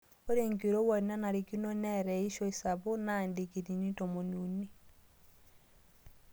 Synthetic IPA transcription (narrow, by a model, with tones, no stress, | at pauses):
o˦ɾe˨ŋke˨ɾo˦wa˨ɾi˨na˦na˨ɾe˨ki˦nɔ˦nɛ˦ɾɛ˨i˦ʃɔ˦e˨sa˨βo˦na˨nde˨ke˨ti˨ni˦tɔ˨mo˨nu˨ni˦